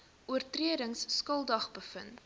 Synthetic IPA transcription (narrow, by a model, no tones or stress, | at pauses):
uərtriədəŋsːkəlˠdɐχbəfə̰n